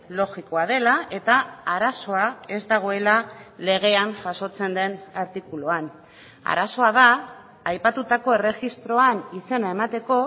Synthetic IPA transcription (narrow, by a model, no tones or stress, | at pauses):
lo̞ɣiko̞að̞e̞lae̞t̪aaɾaso̞ae̞zd̪aɣ̞o̞e̞lale̞ɣ̞e̞anʝaso̞t͡se̞nd̪e̞naɾt̪ikuluan | a̰ɾaso̞aðaː | jpat̪ut̪ako̞e̞re̞ɣist̪ɾo̞anise̞nae̞mat̪e̞ko̞